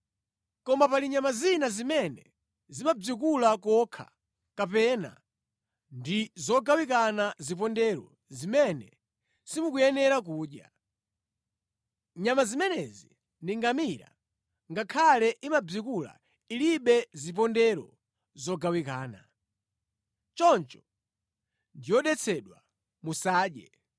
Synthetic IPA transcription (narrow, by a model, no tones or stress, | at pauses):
kɔmapaliɲamazinazimɛnɛ̰ | zimab͡ʐik̬ulakɔkʰa̰ | kapɛna̰ | ndizɔɡawikanazip̬ɔndɛɾɔ̰ | zimɛnɛ | simukujɛnɛɾak̬uːɗja | ɲamazimɛnɛzi | ndiŋɡamiɾa̰ | ŋɡakʰalɛʔimab͡ʐikula̰ | iliɓɛzip̬ɔndɛɾɔ | zɔɡawikaːna | t͡ʃɔnt͡ʃɔ̥ | ndijɔɗɛt͡sʰɛɗwa | musaːɗjɛ̰